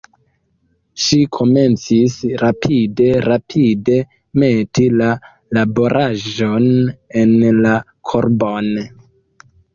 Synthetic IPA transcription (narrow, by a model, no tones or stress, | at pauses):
ʃikʰo̞me̞nt͡sisɾapʰide̞ɾapʰide̞ | me̞tila | labo̞ɾʔaʒo̞ne̞nla | kʰoɾbo̞n